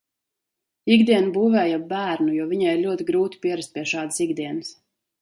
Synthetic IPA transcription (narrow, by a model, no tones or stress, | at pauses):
iɡd̪iɛnbuːvɛːjabæːɾnujuɔviɲaiɾlʲuɔt̪iɡɾuːt̪i̥pʲiɛɾast̪̚pʲiɛʃɑːd̪siɡd̪iɛnɨs